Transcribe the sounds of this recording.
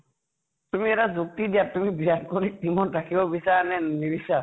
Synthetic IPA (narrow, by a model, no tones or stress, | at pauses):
t̪umiɛɾad͡ʒuk̚t̪id̪ijat̪umibiɦad̪kɔɾik̚t̪imɔʈakʰibɔbisanɛnibisa